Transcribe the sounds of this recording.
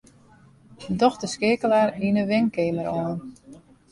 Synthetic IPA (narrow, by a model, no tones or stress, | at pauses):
dɔxtəskɪːkəlaːɾinəʋɪŋkɪːməɾɔːn